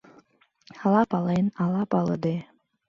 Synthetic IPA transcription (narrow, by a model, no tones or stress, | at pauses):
ɑlˠɑpɑlenɑlˠɑpɑlˠɤ̰d̪e